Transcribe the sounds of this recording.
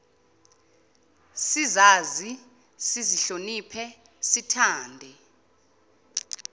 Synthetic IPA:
sizaːzi | siziɬonipʰɛ | sitʰaːndʱɛ

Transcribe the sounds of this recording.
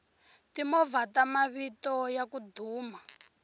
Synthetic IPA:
timɔvatamaβitɔjakudʱuːma

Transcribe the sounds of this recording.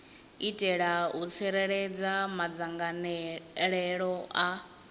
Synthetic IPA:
itʼɛɺaɦut͡sʰɛɾɛɺɛd͡zamad͡zaŋɡanɺɛɺɔa

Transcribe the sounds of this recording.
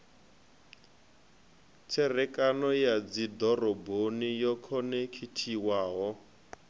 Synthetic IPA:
t͡sʰɛrɛkʼanɔjad͡zid̪ɔrɔbonijɔkʰɔnɛkʰitʰiwaːɦɔ

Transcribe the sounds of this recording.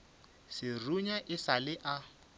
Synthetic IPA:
sɪruɲaʔɪsalɪʔa

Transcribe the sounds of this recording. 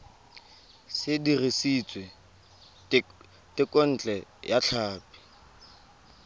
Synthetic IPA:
sɪdiresit͡sʼwe | tʼɪkʼɔn̩t͡ɬʼɛjaɬʰaːpi̥

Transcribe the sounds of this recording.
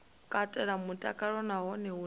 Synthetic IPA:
kʼatʼɛɺamutʼakʼaɺɔnaɦɔnɛɦu

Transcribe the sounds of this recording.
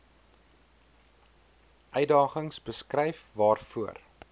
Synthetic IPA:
ʔœɥdɑːχəŋsbəskrɛjfvɑːrfuər

